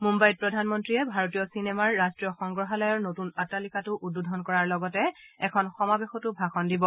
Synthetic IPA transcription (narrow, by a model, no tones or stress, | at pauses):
mumbajd̚pɹɔdʱanmɔntɹiɛbʱaɹotijɔsinemaɹːastɹijɔxɔŋɡɹɔɦalɔjɔɹnotunatalikatʊʔududʱɔnkɔɹaɹlɔɡɔtɛɛkʰɔnxɔmabexɔtʊbʱaxɔndibɔ